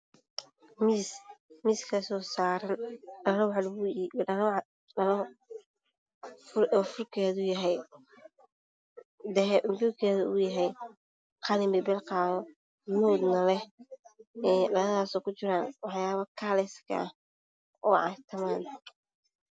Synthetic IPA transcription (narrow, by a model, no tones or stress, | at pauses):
mismiːskʰɐsɔːsaːɾɐnɖɐlɔwħɑlbujɐl | ɐlɔ | fɔːfʊrkʰɛːðujɐɦɛj | d̪ɛɦɛʔmbukʰɛːðuːjɐɦɛj | qɑlɪmɛbɛlqɑːðɔ | mɔːd̪nɐlɛ | ɛːɖɐlɐðaːsɔːkʊt͡ʃɪɾaːnwɑħjaːβɐkʰaːlɛskʰɐ̰ | ɔːʕɑ̰t̪ʰɐmaːn